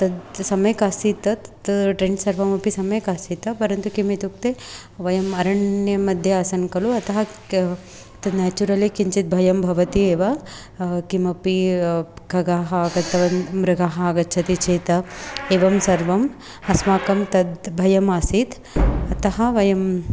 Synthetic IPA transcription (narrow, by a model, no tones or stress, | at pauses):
t̪ɐd̪sɐmɐjkaːsit̪ɐt̪ʈɾeːɳɖsɐɾʋɐmɐpisɐmɐjkaːsit̪ɐpɐɾɐnt̪ukimit̪uk̚t̪e | ʋɐjɐmɐɾɐɳjɐmɐd̪ʱjeaːsɐnkɐluɐt̪ɐɦɐ | t̪ɐd̪naːt͡ʃuɾɐlikiɲt͡ʃit̪̚bʱɐjɐmbʱɐʋɐt̪ieːʋa | kimɐpi | ɡʱɐɡaːɦɐːɡɐt̪ːɐʋɐmɾɐɡaːɦɐɐɡɐt̪ːt͡ʃʰɐt̪it͡ʃʰeːt̪ɐeːʋɐmsɐɾʋɐm | ɐsmaːkɐmt̪ɐd̪bʱɐjɐmasit̪ | ɐt̪ɐɦɐ̆ʋɐjɐm